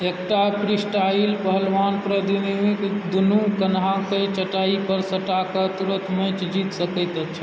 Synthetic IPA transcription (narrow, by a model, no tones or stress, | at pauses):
ekʈapʰɾisʈaɪlbəɦəlʋanpɾəd̪inikd̪unukənɦãket͡ʃəʈaipəɾsəʈakət̪uɾə̃t̪ʰmə̃t͡ʃd͡ʒit̪səkət̪ət͡ʃʰə